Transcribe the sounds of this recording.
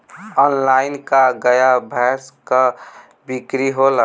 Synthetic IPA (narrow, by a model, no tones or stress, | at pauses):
ɔːnlaːɪnkaɡəjabʱɛːskə | bikɾiɦola